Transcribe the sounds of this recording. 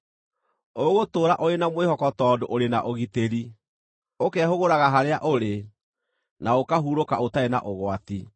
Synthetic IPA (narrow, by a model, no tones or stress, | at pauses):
ooɣotoːɾaʔoɾenamwehɔkɔtɔːdoʔoɾenaʔoɣiteɾi | okɛɦoɣoɾaɣaɦaɾeaʔoɾe | naokaɦuːɾokaotaena̰ʔoɣwati